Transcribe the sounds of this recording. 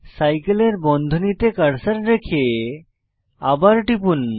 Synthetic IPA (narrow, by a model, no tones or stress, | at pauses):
sajkeleɾbɔnd̪ʱonit̪ekaɾsaɾɾekʰe | abaɾʈipun